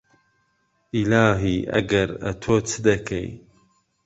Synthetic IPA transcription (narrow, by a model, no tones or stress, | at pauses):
ilaːɦiːʔɐ̰ɡɐɾɐ̰t̪ʰoːt͡sʰɨd̪ɐkʰḛj